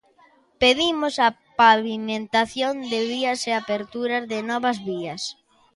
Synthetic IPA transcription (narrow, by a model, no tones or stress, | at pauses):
peðimʊsɐ | paβimẽnt̪aθjond̪ɪβiɐseapeɾt̪uɾɐzðɪnɔβɐzβiɐs